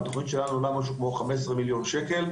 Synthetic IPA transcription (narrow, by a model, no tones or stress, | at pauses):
t̪oχnit̪ʃe̞lanuolamaʃ̬ukmo̞χames̬sʁemiljo̞nʃeke̞l